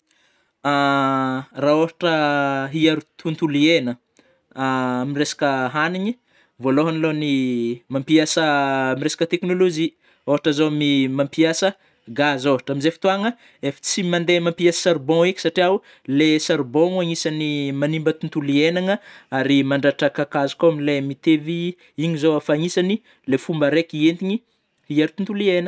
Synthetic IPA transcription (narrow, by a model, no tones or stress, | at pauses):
a | raoɦaʈ͡ʂəɦiaɾut̪ʰunt̪ulienə | amiresḁkəɦaniɲi | voloɦanilonimampiasəmiɾesḁkət̪eknolod͡ʒi | oɦaʈ͡ʂəzomimampiasə | ɡazoɦaʈ͡ʂamizefi̥t̪uaŋə | efi̥t͡simand̪emampiasə̥saɾbɔ̃ikʲi̥saʈ͡ʂiau | lesaɾbɔ̃ŋuaɲisanimanimbət̪unt̪ulienaŋəaɾimaɳɖ͡ʐaʈ͡ʂakakazi̥koamilemit̪evi | iɲizowafaɲisani | lefumbəɾekient̪iɲi | ieɾt̪unt̪ulienə